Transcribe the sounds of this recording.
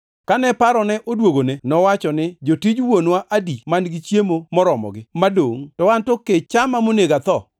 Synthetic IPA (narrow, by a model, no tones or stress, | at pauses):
kanɛpaɾɔnɛʔodwoɡonenɔwat͡ʃɔnɪd͡ʒotid͡ʒwonwaʔadimanɡɪt͡ʃjemomɔɾɔmɔ̰ɡɪmadoŋtɔwantoket͡ʃamamoneɡat̪ɔ